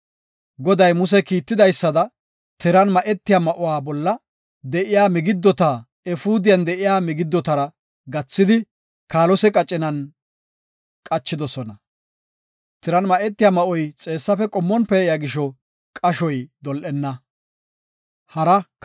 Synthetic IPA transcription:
ɡɔd̪ɐjmʊs̬ɛkiːt̪ːɪd̪ɐjsːɐd̪ɐ | t̪ɪɾɐnmɐʔɛt̪ːɪjaːmɐʔɔwaːbɔlːɐ | d̪ɛʔɪjaːmɪɡɪd̪ːɔt̪aː | ɛfuːd̪ɪjɐnd̪ɛʔɪjaːmɪɡɪd̪ːɔt̪ɐɾɐ | ɡɐt͡sːɪd̪ɪ | kaːlɔsɛkʼɐt͡ʃʼːɪnɐn | kʼɐt͡ʃːɪd̪ɔsɔnɐ | t̪ɪɾɐnmɐʔɛt̪ːɪjaːmɐʔɔjt͡sʼe̞ːsːɐfɛkʼɔmːɔnpɛːjaɡɪʃɔ | kʼɐʃɔjd̪ɔlʔɛnːɐ | hɐɾɐ

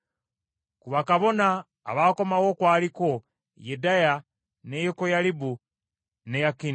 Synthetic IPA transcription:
kuβakaβo̞na̰ː | βaːko̞mawokwaːliko | jedaja | nejokojalibu | nejakin

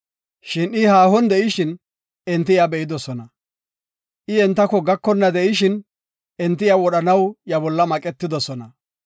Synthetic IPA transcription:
ʃɪnɪhaːhɔnd̪ɛʔɪʃɪn | ɛnt̪ːɪjabɛʔɪd̪ɔsɔnɐ | ʔɪɛnt̪ːɐkːɔɡɐkːɔnːɐd̪ɛʔɪʃɪn | ɛnt̪ːɪjawɔɗɐnɐwjɐbɔlːɐmɐkʼɛt̪ːɪd̪ɔsɔnɐ

